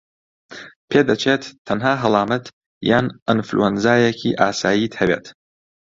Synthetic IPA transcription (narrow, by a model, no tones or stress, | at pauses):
pʰeːd̪ɐt͡ʃʰeːt̪ʰːɐnɦaːɦɐlˠɑːmɐt̪ | jaːnʔɪnflṵɛnzaːjekʰḭːʔaːsaːjiːt̪hɐbeːt̪